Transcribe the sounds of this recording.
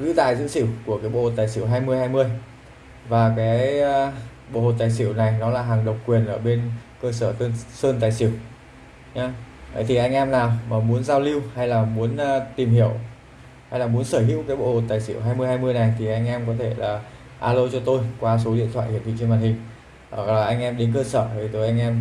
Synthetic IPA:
zɨ̰˧˥t̪a̰ː˧˨jzɨ̰˧˥sḭ˧˩˨wku˧˩əkaː˨˦jɓo̰˧˨ho˨˩t̪̚aː˨˩jsi˧˩əwɦaː˧jmɨ˧əjhaː˧jmɨ˧əj | vaː˨˩kaː˨˦jj | ɓo̰˧˨ho˨˩t̚t̪aː˨˩js̬i˧˩əwna˨˩jnɔ˨˦laː˨˩ɦaː˨˩ŋɗə˨˩wkwi˨˩ənʔəː˧˩ɓe˧nkəː˧səː˧˩t̪ə˧nsəː˧nt̪aː˨˩jsi˧˩ə˩w | ɲaː˨˦ʔə˨˦jt̪ʰi˨˩ʔa˧jŋ̟ʔɛ˧mnaː˨˩wmaː˨˩mu˨˦ənzaː˧wli˧wha˧jlaː˨˩mu˨˦ənː˧t̪i˨˩mhi˧˩əw | ha˧jlaː˨˩mu˨˦ənsəː˧˩ɦḭ˧˥wkaː˨˦jɓo̰˧˨ho˨˩t̚t̪aː˨˩jsḭ˧˩əwɦaː˧jmɨ˧əjhaː˧jmɨ˧əjna˨˩jt̪ʰi˨˩ʔa˧jŋ̟ʔɛ˧mkɔ˨˦t̪ʰe˧˩laː˨˩ | ʔaː˧lo˧t͡ɕɔ˧t̪o˧jkwaː˧so˨˦ɗḭ˧˨ənt̪ʰwa̰˧˨hi˧˩t̪ʰi˧˨t͡ɕə˧ŋma˨˩t̚hï˨˩ŋ̟ː˧˨˩ | ʔa˧jŋ̟ʔɛ˧mɗe˨˦nkəː˧səː˧˩t̪ʰi˨˩t̪o˧jʔa˧ŋ̟ʔɛ˧m

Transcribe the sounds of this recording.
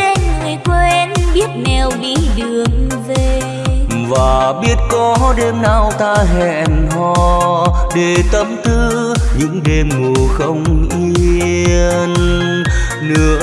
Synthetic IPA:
e˧nŋɨ˨˩əjkwnɓi˦˥ət̚nɛ˨˩wvi˨˧˦ɗɨ˨˩əŋve˨˩ | vaː˨˩ɓi˦˥ət̚kɔ˨˦ɗe˧mnaː˧˩wt̪aː˧ɦɛ˧˨nɦɔ˧ɗe˨˩t̪ə˨˦mt̪ʰɨ˧ | ɲɨ̰˧˥ŋɗe˧mŋu˨˩əxə˧wŋ͡mʔi˧əən | nɨ̰˧˥ə

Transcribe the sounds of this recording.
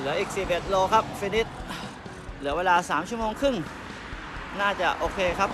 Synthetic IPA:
lɯ˩˦ɐʔiː˨˩k̚siː˨˩p̚ʔe˨˩t̪̚loː˧kʰa˦˥p̚fi˧ni˦˥t̪̚ | lɯ˩˦weː˧laː˧saː˩˦mt͡ɕʰu˥˩ə˨moː˧ŋkʰɯ˥˩ŋ | naː˥˩t͡ɕa˨˩ʔoː˧kʰeː˧kʰa˦˥p̚

